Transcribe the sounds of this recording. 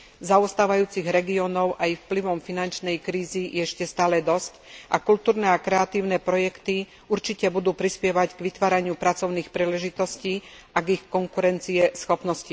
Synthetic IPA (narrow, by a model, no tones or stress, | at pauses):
zaɔst̪aːʋajuːt͡siɣɾɛɡiɔnɔʊʔaifpliʋɔmfinant͡ʃnɛjkɾiːzijʔɛɛʃcɛst̪aːlɛd̪ɔscʔakult̪uːɾnɛakɾɛat̪iːʊnɛpɾɔjɛkt̪i | uɾt͡ʃicɛbud̪uːpɾispjɛʋaɟɡʋit̪ʋaːɾaɲɪupɾat͡sɔʊniːxpɾiːlɛʒit̪ɔsciːʔaɡixkɔŋkuɾɛnt͡siɛsxɔpnɔsci